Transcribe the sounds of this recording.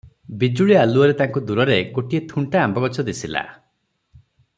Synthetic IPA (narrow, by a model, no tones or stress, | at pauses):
bid͡ʒuɭialuɔɾet̪aŋkud̪uɾɔɾeɡoʈiet̪ʰuɳʈaːmbɔɡɔt͡ʃʰɔd̪isʰila̰